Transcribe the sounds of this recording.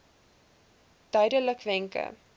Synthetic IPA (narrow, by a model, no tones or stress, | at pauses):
d̥œɥdələkvɛŋkə̰